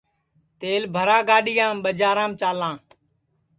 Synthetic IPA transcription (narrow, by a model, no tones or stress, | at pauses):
t̪eːlbʱəɾãːɡaːɗɪjãːmɓəd͡ʒaːɾãːmt͡ʃaːlãː